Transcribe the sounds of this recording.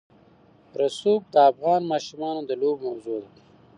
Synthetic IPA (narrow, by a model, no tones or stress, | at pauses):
ɾasuːk̚d̪əafɣɑːnmɑːʃumɑːnod̪əloːbmɐwzoːd̪a